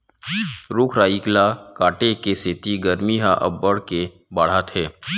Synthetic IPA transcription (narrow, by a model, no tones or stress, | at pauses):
ɾʊkʰɾaːiklakaːʈekeseːt̪iɡəɾmiɦaʔɐ̰bːəɽke | baːɽ̤aːt̪ʰɦɛː